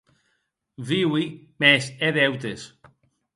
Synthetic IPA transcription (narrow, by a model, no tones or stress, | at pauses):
viwimeseðewt̪es